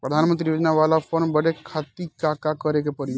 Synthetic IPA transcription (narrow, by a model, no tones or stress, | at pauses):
pɾəd̪ʱanmənt̪ɾijod͡ʒnaʋalapʰənbəɽekʰat̪ikakakəɾekepəɾi